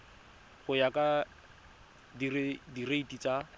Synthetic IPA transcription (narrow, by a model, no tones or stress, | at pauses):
χʊjakʼa | dirɪdireitit͡sa